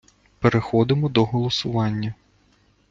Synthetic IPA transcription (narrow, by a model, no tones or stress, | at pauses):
peɾexɔd̪ɪmɔd̪ɔɦɔlˠɔsʊʋɑnʲːɐ